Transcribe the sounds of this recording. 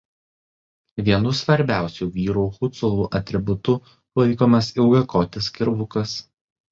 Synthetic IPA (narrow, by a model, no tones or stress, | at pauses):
ʋʲiɛnʊsʋɐɾʲbʲæˑʊsʲuːʋʲiːɾuːxʊt̪sɔlˠuːʔɐt̪ʲɾʲɪbʊt̪ʊ | lˠɐɪkoːmɐsɪʊɡɐkoːt̪ʲɪskʲɪɾʋʊkɐs